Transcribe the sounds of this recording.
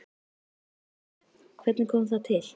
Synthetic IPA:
kʰvɛt̪nɪkʰɔːmθaðt̪ʰɪl

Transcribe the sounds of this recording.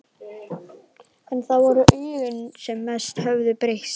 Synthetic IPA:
ɛnθawvɔɾʏʔœːɣʏnsɛmːɛst̪hœvðʏpɾehs

